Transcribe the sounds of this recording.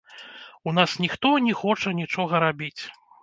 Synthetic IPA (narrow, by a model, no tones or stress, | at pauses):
un̪asnʲixt̪ɔnʲixɔt͡ʂɐnʲit͡ʂɔɣɐɾabʲit͡sʲ